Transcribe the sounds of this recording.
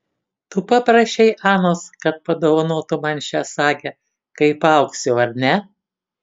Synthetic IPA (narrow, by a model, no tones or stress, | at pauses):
t̪upɑpɾɐʃʲɛɪʔɑːnoːskɐt̪̚pɐd̪oːʋɐnoːt̪ʊmɐnʲʃʲɛsɑːkʲeː | kɐɪpɐˑʊksʲʊʊɐɾʲnʲɛ